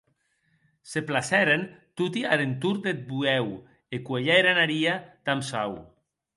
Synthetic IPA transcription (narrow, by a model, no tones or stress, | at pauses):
seplasɛɾent̪ut̪iaɾent̪uɾd̪et̪̚buɛw | ekweʎɛeɾanaɾiad̪̥amsaw